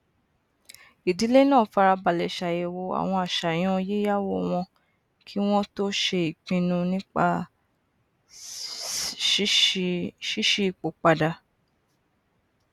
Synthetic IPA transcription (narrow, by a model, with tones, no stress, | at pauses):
i˨di˨˦le˦nãː˦˨fa˧ɾa˧ba˨lɛ˨ʃa˨je˨wo˧a̰˨w̃ɔ̃˧a˨ʃa˨j̃ɔ̃˦˧je˦ja˦wo˦˨w̃ɔ̃˧ | kʰi˦w̃ɔ̃˦to˦ʃe˧i˨k͡pĩ˧nũ˧nĩ˦k͡pa˧˦ | ʃi˦ʃi˦i˨k͡po˨k͡pa˧da˧